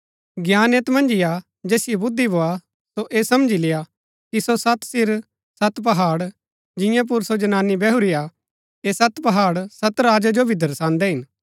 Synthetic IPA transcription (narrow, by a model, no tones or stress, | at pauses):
ɡjaːneːt̪mɐ̃nd͡ʒɪja | d͡ʒɛːsɪebʊd̪ːiboːa | soʔeːsɐmd͡ʒileːa | kisosɐt̪sɪɾ | sɐt̪p̬ɐɦaːɽ | d͡ʒɪ̃jãp̬ʊɾsod͡ʒɐnaːnːibɛɦuɾija | eːsɐt̪pɐɦaːɽsɐt̪ɾaːd͡ʒad͡ʒobʱid̪ʱɐɾsãːnd̪ɛɦɪn